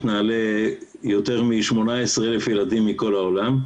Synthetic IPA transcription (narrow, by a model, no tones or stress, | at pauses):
t̪naːlejo̞t̪e̞ʁmiʃmo̞naesʁelefjelad̪imːiko̞laolam